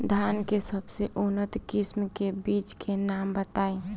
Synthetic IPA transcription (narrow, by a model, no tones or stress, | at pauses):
d̪ʱankesəbseʔunət̪kismkebit͡ʃkʰenambət̪ai